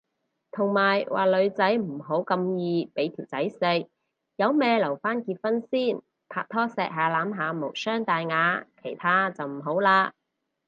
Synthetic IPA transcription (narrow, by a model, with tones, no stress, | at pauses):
t̪ʰʊ˨˩ŋmaː˨˩jwʔa̰ː˨lɵ˨˧ɥt͡sɐ˨˥jm̩˨˩ɦo˨˥wkɐ˧mjiː˧pe˨˥jt̪ʰiː˨˩wt͡sɐ˨˥jsɪ˧k̚ | jɐ˨˧wmɛː˧lɐ˨˩wfaː˥nkiː˧t̚fɐ˥nsiː˥˩n | pʰaː˧k̚t̪ʰɔː˥sɛː˧k̚ɦaː˨˧laː˨˥mɦaː˨˧mo˨˩sœː˥ŋt̪aː˨jŋaː˨˧kʰe˨˩jt̪ʰaː˥t͡sɐ˨wm̩˨˩ɦo˨˥wlaː˧